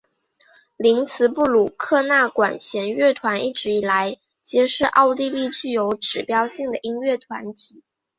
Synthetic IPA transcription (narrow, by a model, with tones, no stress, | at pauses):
li˧˥ŋt͡sʰɹ̩˧˥pu˥˩lu˨˩kʰɤ˥˧na˥˩kwa̰˨˩nɕjɛ˧˥nɥɛ˥˩t̪ʰwa˧˥ni˥˩ʈ͡ʂɻ̩˧˥i˨˩la˧˥ɪ | t͡ɕjɛ˧˥ʂɻ̩˥˧ʔɑ˥˧ʊt̪i˥˧li˥˧t͡ɕy˥˩jo˧˥ʊʈ͡ʂɻ̩˨˩pjɑ˥ʊɕi˥˩ŋd̪ə˩ʔi˥ŋɥɛ˥˩t̪ʰwa˧˥nt̪ʰi˨˩˦